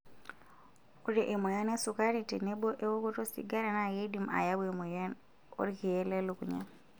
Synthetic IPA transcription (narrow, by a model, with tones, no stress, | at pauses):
o˦ɾe˨ʔe˨mo˨ja˦ne˦su˨ka˦ɾi˨te˨ne˦bo˦ʔe˦wo˦ko˦to˦sḭ˨ɡa˦ɾa˨na˨ɡe˦di˨mʔa̰˨ja˦bu˦e˨mo˨ja˦n | o̰˦ɾke˨e˦lɛ˦lo˨kṵ˨ɲa̰˦